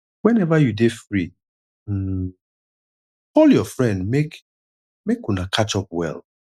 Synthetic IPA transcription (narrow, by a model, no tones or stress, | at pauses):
wɛ̃nɛvajudefɾi | ɔljɔfɹɛ̃ndmek | mekunakʰat͡ʃɔp̚wɛ̰l